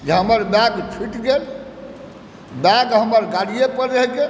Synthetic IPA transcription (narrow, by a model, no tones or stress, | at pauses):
d͡ʒeɦəməɾbɛɡpʰiʈɡel | bɛɡɦəməɾɡaɽijepəɾeɦke